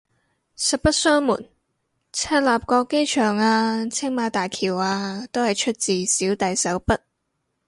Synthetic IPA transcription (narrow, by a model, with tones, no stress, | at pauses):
sɐ˨t̚pɐ˥t̚sœː˥ŋmṵː˨˩n | t͡sʰɛː˥t̚laː˨p̚kɔː˧kːe˥jt͡ʃʰœː˨˩ŋaː˧t͡sʰɪ˥ŋmaː˨˧t̪aː˨jkʰiː˨˩waː˧t̪o˥whɐ˨jt͡ʃʰɵ˥t̚t͡siː˨˩siː˨˥wt̪ɐ˨jsɐ˨˥wpɐ˥t̚